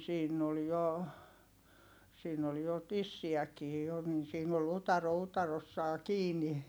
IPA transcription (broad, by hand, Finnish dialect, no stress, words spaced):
siːnː ol jo siːn ol jo tisːiækiː jo nin siːn ol utɑro utɑrosːɑː kiːni